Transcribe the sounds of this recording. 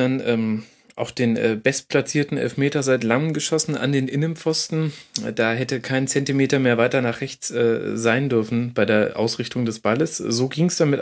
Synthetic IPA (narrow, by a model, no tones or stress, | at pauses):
anʔɛːm | ʔa̰ʊxd̥eːnʔɛ̰ːbɛstpʰl̥at͡siːɐtn̩ʔɛ̰lfmeːtɐzaɪtlaŋəmɡəʃɔsn̩a̰ndeːnʔɪnənp͡fɔstn̩d̥aːɦɛtəkʰaɪnt͡sɛntimeːtɐmeːɐvaɪtɐnaːχʁ̥ɛçt͡sʔɛːzaɪndʏɐfn̩b̥aɪdeːɐʔa̰ʊsʁɪçtʊŋdɛsb̥aləszoːɡiːŋsd̥amɪt